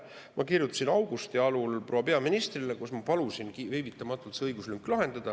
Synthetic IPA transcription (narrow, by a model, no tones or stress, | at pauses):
mʔɑkirjut̪ːˑu̥sinɑwɡ̥ust̪iɑlulprowɑpe̞ɑminist̪rilekusmɑpɑlusinkivejvit̪ːˑɑmɑt̪ːˑult̪seɤjɡ̥uslyŋkːˑlɑɦe̞nd̪̥ɑd̪̥ɑ